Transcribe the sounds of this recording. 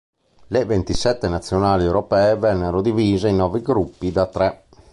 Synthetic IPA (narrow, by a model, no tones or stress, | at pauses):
levent̪isɛt̪ːenat̪sːjonaːliɛwɾopɛːevɛnːeɾod̪iviːzeinɔːviɡɾupːid̪at̪ɾɛ